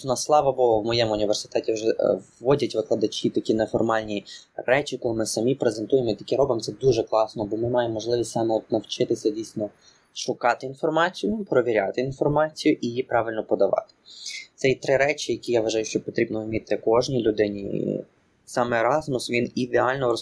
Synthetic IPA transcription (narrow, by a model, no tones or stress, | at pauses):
nɐslˠɑʋɐbɔɦɔwmɔjɛmʊnʲiʋersɪ̥t̪ɛtʲiwʒɛːɔdʲɐtʲʋɪklˠɐd̪ɐt͡ʃʲit̪ɐkʲinefɔrmɑlʲnʲirɛt͡ʃʲikɔlˠɪmɪsɐmʲipɾezent̪ujemɔit̪ɐ̥kʲiɾɔbɐmt̪ɛd̪uʒɛklˠɑsnɔbɔmɪmɑjemːɔʒlˠɪʋʲisʲtʲsɑmɛɔt̪nɐwt͡ʃɪt̪ɪsʲɐdʲijsʲnɔ | ʃʊkɑt̪ɪinfɔrmɑt͡sʲijʊpɾɔʋʲiɾʲat̪ɪinfɔrmɑt͡sʲijʊʔijipɾɑʋɪlʲnɔpɔd̪ɐʋɑ̰t̪ɪ̥t̪sɛit̪ɾɪɾɛt͡ʃʲijɐkʲijaʋɐʒɑjʊʃt͡ʃɔpɔt̪ɾʲibnɔmʲit̪ːɪkɔʒnʲilʲʊd̪ɪnʲḭ | sɑmɛɾɑzmʊsʋʲinid̪eɑlʲnɔɔ